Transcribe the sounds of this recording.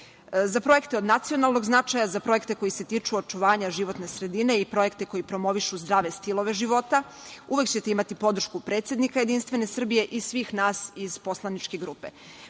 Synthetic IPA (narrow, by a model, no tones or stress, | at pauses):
zapɾo̞je̞kt̪e̞od̪nat̪sio̞nalˠno̞ɡznat͡ʃajazapɾo̞je̞kt̪e̞ko̞jise̞t̪iːt͡ʃuot͡ʃuʋaːɲaʒiʋo̞t̪ne̞sɾe̞d̪ine̞ipɾo̞je̞kt̪e̞ko̞jipɾo̞mo̞ʋiʃuzd̪ɾaːʋe̞st̪ilˠo̞ʋe̞ʒiʋo̞t̪a | uʋe̞kt͡ɕe̞t̪eimat̪ipo̞d̪r̩ʃkupɾe̞t̪sje̞d̪nikaje̞d̪inst̪ʋe̞ne̞sr̩bije̞ʔisʋiːxnaːsiz̥po̞slanit͡ʃkeɡɾuːpe̞